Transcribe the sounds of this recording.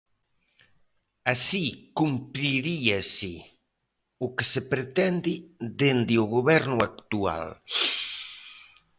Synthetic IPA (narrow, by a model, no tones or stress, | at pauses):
asikumpɾiɾiasi | ukesepɾet̪ɛnd̪id̪end̪ioɣoβɛɾnuakt̪ua̰l